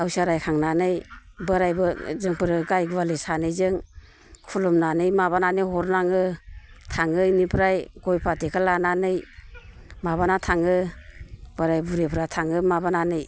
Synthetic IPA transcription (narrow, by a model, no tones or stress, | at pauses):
awsaɾajkʰaŋnanɯjbɯɾajbɯzɯŋpʰɯɾɯɡajɡwalesanɯjzɯŋ | kʰulɔmnanɯjmaβananɯjɦɔɾnaŋɯtʰaŋɯjnipʰɾajɡɔjpʰatekʰalananɯj | maβanatʰaŋɯ | b̥ɯɾajbuɾepʰɾatʰaŋɯmabananɯj